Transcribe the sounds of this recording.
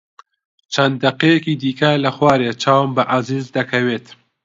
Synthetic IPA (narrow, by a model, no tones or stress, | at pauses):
t͡ʃʰɐnd̪ːɐqejɐkiːd̪iːkɐlɐxwɑːɾet͡ʃʰaːwmbɐʔaziːzd̪ɐkʰɐweːt̪